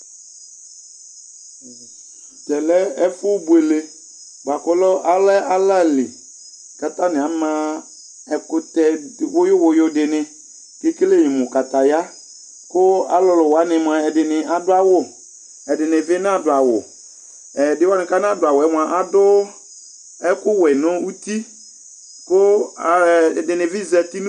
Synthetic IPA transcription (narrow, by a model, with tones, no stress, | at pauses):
t̪ɛ˨lɛ˦ɛ˦fʊ˦bu˨e˨le˨ | ba˨kɔ˦lɔ˦ʔa˦lɛ˦ʔa˦la˦˨lɪ˨ | ka˨ta˦nɪ̃˨a˨˦mã˦ | ɛ˨kʊ˦t̪ɛ˦˨wʊ˦jʊ˦wʊ˨jʊ˦dɪ˨nɪ̃˨ | kɪ˦ke˦le˦jɪ̃˨mʊ̃˨ka˨ta˨ja˦ | kʊ˦a̰˦lʊ˨lʊ˨wa˨˦nɪ˨mʊ˨a˨ɛ˨dɪ˨nɪ˨ʔa˨dʊ˦a˦wʊ˦ | ɛ˨dɪ˨nɪ̃˨vɪ˦n˦a˨dʊ˨a˨wʊ˨ | ɛ˨dɪ˦wa˦nɪ̃˨ka˦n˦a˦dʊ˨a˨wʊ˨ɛ˦mʊ˨a˨ʔa˦dʊ˦ | ɛ˦kʊ˦wɛ˨nʊ̃˦u˦ti˦ | kʊ˦˨ | dɪ˨nɪ̃˨vɪ˦zɛ˨ti˦n˦